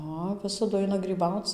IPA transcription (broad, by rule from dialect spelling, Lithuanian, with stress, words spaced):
ˈɐ ˈʋʲɪsɐdʊ ˈɐɪnɐ ɡrʲiːˈbɐʊt͡s